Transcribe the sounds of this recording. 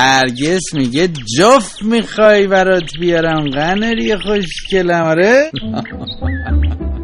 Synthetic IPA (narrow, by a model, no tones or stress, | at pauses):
hæɾɟesmiɟed͡ʒofmixɒjbæɾɒt̪ʰbijɒɾæmɢæneɾijeχoʃce̞læmɒɾen